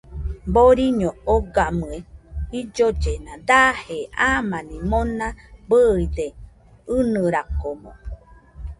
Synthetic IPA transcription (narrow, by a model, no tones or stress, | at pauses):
boɾiɲõoɡamɨeid͡ʒod͡ʒenãd̪aheamãnĩmonãbəid̪e | ɨnɨɾakomõ̰